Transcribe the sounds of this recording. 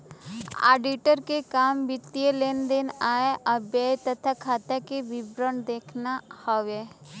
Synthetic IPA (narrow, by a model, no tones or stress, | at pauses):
a̰ːɖiʈəɾkekaːmbɪt̪ieleːnd̪eːnaːeʔɐbjaːjt̪ɐt̪ʰakʰaːt̪akeʋɪbɾəɳd̪eːkʰnahɔʋe